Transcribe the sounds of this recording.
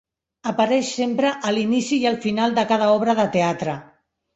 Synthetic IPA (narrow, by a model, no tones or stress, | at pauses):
əpəɾɛʃsempɾəʔəlinisiːəlˠfinalˠd̪əkaðəɔβ̞ɾəðət̪eat̪ɾə